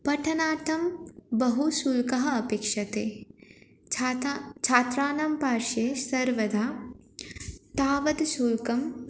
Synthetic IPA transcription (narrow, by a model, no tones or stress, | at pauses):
pɐʈʰɐnaːt̪ʰɐmbɐɦusuːlkɐɦɐɐpeːkʃɐt̪eː | t͡ʃʰaːt̪ɾaːnɐmpaːɾʃesɐɾʋɐd̪ʱaː | t̪aːʋɐd̪suːlkɐm